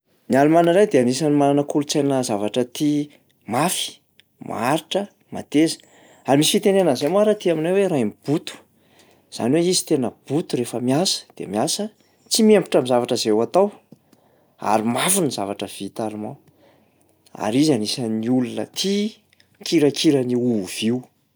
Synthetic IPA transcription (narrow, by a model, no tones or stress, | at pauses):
nialumanəɾajd̪eanisanimalanəkulut͡sajnəzavaʈ͡ʂət̪i | mafi̥ | ma̰aɾiʈ͡ʂə | ma̰t̪ezə̥ | aɾimisi̥fit̪enenəzemaɾat̪iaminaweɾajmib̥ut̪u̥ | z̥a̰niweizi̥t̪enəb̥ut̪uɾefəmiasə̥d̪̥ḛmiasə | t͡simiempu̥ʈ͡ʂamizavaʈ͡ʂəzewat̪aw | a̰ɾimafunizavaʈ͡ʂəv̥it̪aɾuma | a̰ɾizanisaniulunə̰t̪ʰi | kiɾəkiɾəniuv̥iw